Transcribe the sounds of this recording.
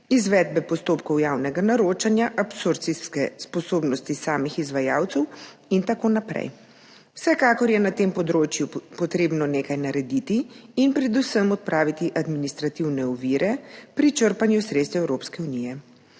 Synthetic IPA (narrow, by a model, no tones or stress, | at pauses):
izʋɛːd̪̚bɛpɔst̪oːpkɔwjaːwnɛɡanaɾot͡ʃanjaʔapsuɾt̪siskɛspɔsoːbnɔst̪isaːmixizʋajaːwt̪sɛw | int̪akonapɾɛ̰j | wsɛkaːkɔɾjɛnat̪empɔd̪ɾoːt͡ʃjupɔt̪ɾeːbnɔneːkajnaɾɛd̪it̪iːnpɾɛd̪usəmɔt̪̚pɾʔaːʋit̪iʔad̪minist̪ɾat̪iwnɛɔʋiːɾʔɛpɾit͡ʃəɾpanjusɾet̪st̪ɛwɛwɾoːpskɛunijɛ